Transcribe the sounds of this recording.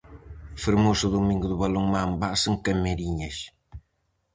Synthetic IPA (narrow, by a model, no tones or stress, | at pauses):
feɾmosuðumĩŋɡʊðuβɐloŋmambasɨŋkɐmeɾiɲɐʃ